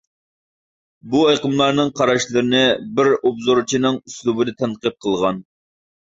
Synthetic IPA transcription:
buɑjqəmlˠɑɾnɨŋqʰɑɾɑʃlˠɨɾɨnɨbɪɾobzoɾt͡ʃʰinɨŋyslˠubɨd̪ɪt̪ʰɛnqɨp̚qʰəlˠʁɑn

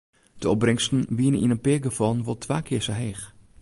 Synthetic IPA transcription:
d̥əɔb̚rɪŋstn̩ʋiənənḭnənpɪəɡəfɔlˠnʋɔlˠtʋaːkʰɪəsəɦeːx

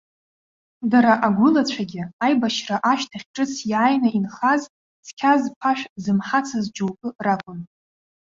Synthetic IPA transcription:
daɾaʔaɡʷʊlat͡ɕʷʰaɡʲɪajbaʃraʔaʃtʰaχʲʈ͡ʂʼɨt͡sʰjajnainχaz | skʲʰazpʰaʃᶣzɨmħat͡sʰazd͡ʒowkʼɨrakʷʼʊn

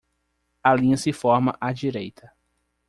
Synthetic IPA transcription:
alĩɲɐsɪfɔɾmɐʔad͡ʒiɾejt̪ʰɐ

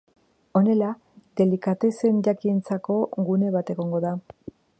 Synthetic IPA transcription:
o̞ne̞la | d̪̥e̞likat̪e̞se̞nʝakint͡sako̞ɣune̞β̞at̪e̞ɣ̞o̞ŋɡo̞ða

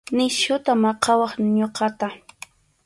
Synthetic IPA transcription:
nɪʃʊt̪amɑqɑwɑχɲoqɑt̪a

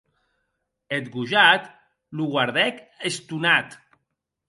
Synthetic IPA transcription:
et̪ɡuʒat̪ | luɣwaɾðɛkest̪unat̪

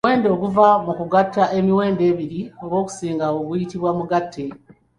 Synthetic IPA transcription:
we̞ːndo̞kuvamukuɡatːaʔe̞miwe̞ːnde̞ːβiɾio̞βwo̞ːku̥siːŋɡawoɡujitiβwamuɡatʰːe

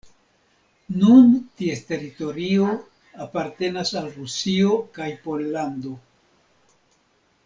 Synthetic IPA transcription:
nuntieste̞ɾito̞ɾio̞ | apaɾte̞nasalɾusio̞kajpo̞lːando̞

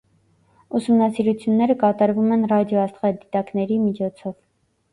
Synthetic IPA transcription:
usumnɑsiɾut͡sʰjunːɛɾəkɑt̪ɑɾvumɛnrɑd̪jɔɑst̪ʁɛd̪it̪ɑknɛɾimit͡ʃʰɔt͡sʰɔv

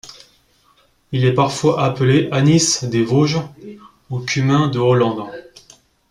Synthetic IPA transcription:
ilɛpaʁfwaʔapleʔanisd̪evoʒ | okʲʰymɛ̃d̪əɔlɑ̃d̪

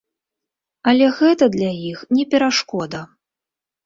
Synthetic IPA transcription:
ɐlʲɛɣɛt̪ɐd̪lʲajixnʲɛpʲɛɾaʂkɔd̪ɐ

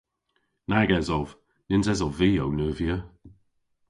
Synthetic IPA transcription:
naɡɛzɔv | nɪnzɛzɔviːownəːviə

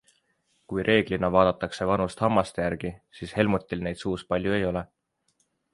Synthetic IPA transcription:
kujɾʔe̞ːɡ̥linɑvɑːd̪̥ɑt̪ːˑɑkse̞vɑnust̪hɑmːɑst̪ejæɾɡ̥isiːshe̞lmut̪ʲːˑilne̞jd̪̥suːspɑlʲjue̞jo̞le̞

